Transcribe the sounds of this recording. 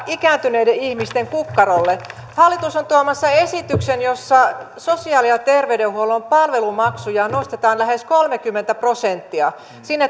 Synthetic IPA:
ikæːnt̪yneideihmist̪eŋkukːɑrolːe | hɑlːit̪usont̪uɑmɑsːɑesit̪yksenjosːɑ | sosiɑːliɑt̪erʋeydehuolompɑlʋelumɑksujɑnost̪et̪ɑːnlæheskolmekymːent̪æprosent̪ːiɑ | sinːe

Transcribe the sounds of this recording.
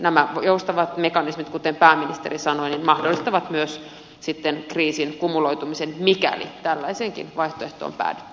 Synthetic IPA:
næmæjoust̪ɑʋɑt̪mekɑnismit̪kut̪empæːminist̪erisɑnoininmɑhdolːˑist̪ɑʋɑt̪myøs | sit̪ːenkriːsinkumulojt̪umisenmikæ̰lḭt̪ælːæiseːŋkḭnʋɑiht̪oeht̪o̰ːmpæ̰ːnːe̥t̪ːy̥

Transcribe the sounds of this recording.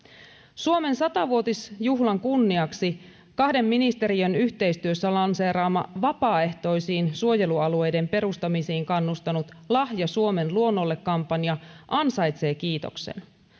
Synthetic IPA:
suo̞me̞nsɑt̪ɑʋuo̞t̪isjuɦlɑŋkunːiɑksi | kɑhde̞mːinist̪e̞ɾiønyçt̪e̞jst̪yøsːælɑnseːɾɑːmːɑ̰ʋɑpɑːe̞ht̪o̞jsiːnsuo̞je̞luɑlue̞jde̞mpe̞ɾust̪ɑmisiːŋkɑnːust̪ɑnut̪ | lɑhjɑsuo̞me̞nluo̞nːo̞lːe̞kːɑmpːɑnjɑʔɑnsɑjt̪se̞ːkiːt̪o̰kse̞̰n

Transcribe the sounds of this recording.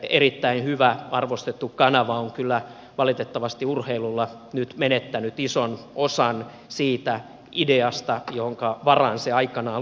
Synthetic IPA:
eɾit̪ːæinhyʋæɑrʋost̪et̪ːukkɑnɑʋɑoŋkylːæ | ʋɑlit̪et̪ːɑʋɑst̪iurheilulːɑ | nyt̪menet̪ːænyt̪isonosɑn | siːt̪æ | ideɑst̪ɑjohoŋkɑʋɑrɑ̰nseɑikɑnɑː

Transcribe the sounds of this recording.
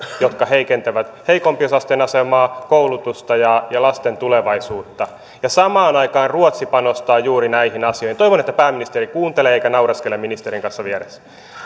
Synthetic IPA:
jot̪kɑheikent̪æʋæt̪heikompiosɑst̪enɑsemɑːkoulut̪ust̪ɑjɑjɑlɑst̪ent̪uleʋɑisuːt̪ːɑ | jɑsɑmɑːnɑikɑːnruot̪sipɑnost̪ɑːjuːɾinæihinɑsijoihint̪oiʋonet̪ːæpæːminist̪eɾikuːnt̪eleeikænɑurɑskeleminist̪eɾiŋkɑnsːɑʋiɛɾesːæ̥

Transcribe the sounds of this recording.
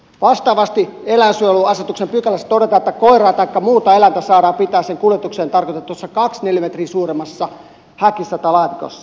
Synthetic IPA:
ʋɑst̪ɑːʋɑst̪ielænsyøluɑset̪uksempykælːæst̪odet̪ɑːet̪ːækoirɑːt̪ɑikːɑmuːt̪ɑelænt̪æsɑːɾɑːmpit̪æːseŋkuljet̪ukseːnt̪ɑrkot̪ɑt̪uosːɑkɑksnelimet̪riːsuːremɑsːɑ | hækisːɑt̪ɑlɑːt̪iko̰sːɑ̥

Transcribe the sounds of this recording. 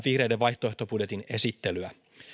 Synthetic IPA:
ʋihre̞jdeʋʋɑjht̪oe̞ht̪opudjet̪ine̞sit̪ːe̞lyæ

